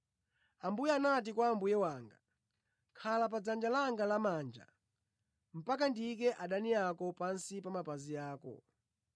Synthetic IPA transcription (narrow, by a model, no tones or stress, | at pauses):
ambujɛanat̬ikwaːmbujɛwaːŋɡa | kʰalap̬ad͡zand͡ʒalaŋɡalamaːnd͡ʒa̰ | m̩pakandikɛʔaɗaniakɔpansipamapazijaːkɔ̰